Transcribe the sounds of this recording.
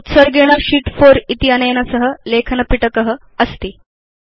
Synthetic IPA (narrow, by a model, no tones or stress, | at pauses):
ut̪səɾɡeɽ̃əɕiːʈfoɾit̪iənəjnasəɦəlekʰənəpiʈəkəɦə | əst̪iː